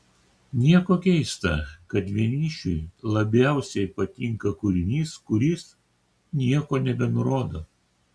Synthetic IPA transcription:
nʲiɛkoːkʲɛɪst̪ɐ̰kɐt̪ʲʋʲiɛnʲiːʃʲʊɪlˠɐbʲæˑʊsʲɛɪpɐt̪ʲɪŋkɐkʊɾʲɪnʲiːskʊɾʲiːs | nʲiɛkoːnʲɛbʲɛnʊɾoːd̪oː

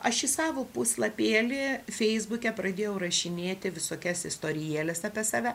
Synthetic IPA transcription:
ɐʃɪsɑːʋoːpusʲlˠɐpʲeːlʲɪfʲɛɪzbʊkʲɛpɾɐd̪ʲeːjɛʊrɐʃʲɪnʲeːt̪ʲɪʋʲɪsoːkʲɛsɪst̪oːɾʲɪjɛːlʲɛsɑːpʲɛsɑːʋʲæ

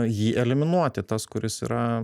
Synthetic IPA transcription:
jiːʔɛlʲɪmʲɪnuɔt̪ʲɪt̪ɐskʊɾʲɪsḭːɾɐ

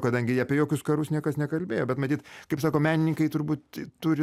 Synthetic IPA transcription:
kɐd̪ɐŋʲɡʲɪɐpʲejoːkʲʊskɐɾʊsnʲiɛkɐsnʲɛkɐlʲbʲeːjoːbʲɛt̪mɐt̪ʲiːt̪kɐɪpsɑːkoːmʲæːnʲɪnʲɪŋkɐɪt̪ʊɾbuːt̪t̪ʊɾʲɪ

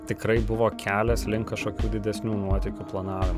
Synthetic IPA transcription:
t̪ʲɪkɾɐɪbʊʋoːkʲʰæːlʲɛslʲɪŋkɐʃkoːkʲuːd̪ʲɪd̪ʲɛsʲnʲuːnuɔt̪ʲɛɪkʲuːplˠɐnɑːʋʲɪmu

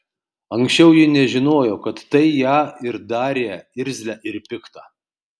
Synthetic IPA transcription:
ɐŋksʲt͡ʃʲɛʊjɪnʲɛʒʲɪnoːjoːkɐt̪ːɐɪjæːɪɾd̪ɑːɾʲeːɪɾʲzʲlʲæːʔɪɾpʲɪkt̪ɑ

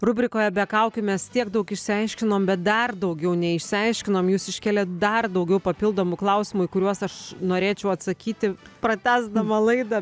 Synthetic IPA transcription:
rʊbʲɾʲɪkoːjɛbʲɛkɐʊkʲʊmʲɛst̪ʲiɛɡd̪ɐʊkɪʃʲsʲɪɐɪʃʲkʲɪnoːmbʲɛt̪̚d̪ɐrd̪ɐʊɡʲɛʊnʲɛɪʃʲsʲɪɐɪʃʲkʲɪnoːmjuːsɪʃʲkʲæːlʲɛːt̪d̪ɐrd̪ɐʊɡʲɛʊpɐpʲɪlˠd̪oːmʊklˠɐʊsʲɪmʊikʊɾʲuɔsɐʃnoːɾʲeːt͡ʃʲɛʊɐt̪sɐkʲiːt̪ʲɪpɾɐt̪ʲæːzd̪ɐmɐlˠɐɪd̪ɐ

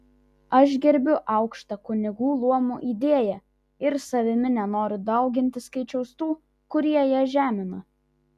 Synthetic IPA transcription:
ɐʃ̬ɡʲɛɾʲbʲʊʔɐʊkʃt̪ɐkʊnʲɪɡuːlˠuɔmuːʔiːd̪ʲeɛjɛ | ɪɾsɐʋʲɪmʲɪnʲɛnoːɾʲʊd̪ɐʊɡʲɪnʲt̪ʲɪskɐɪt͡ʃʲɛʊst̪uː | kʊɾʲiɛjiɛʒʲæːmʲɪnɐ

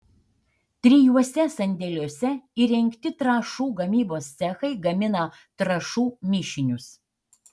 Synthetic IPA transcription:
t̪ʲɾʲɪjuɔsʲɛsɐnʲd̪ʲɛlʲuɔsʲɛiːɾʲɛŋʲkt̪ʲɪt̪ɾɑːʃuːɡɐmʲiːboːst̪sʲæxɐɪɡɐmʲɪnɐ | t̪ɾɐʃuːmʲɪʃʲɪnʲʊs

